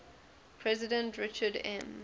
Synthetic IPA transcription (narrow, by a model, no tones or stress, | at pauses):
pʰɹɛzɪdə̃ntɹɪt͡ʃədɛ̰̃m